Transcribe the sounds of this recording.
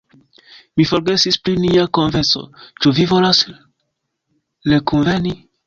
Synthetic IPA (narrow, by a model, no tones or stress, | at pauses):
mifoɾɡesispliniakonveso̰t͡ʃuvivolas | lekunveni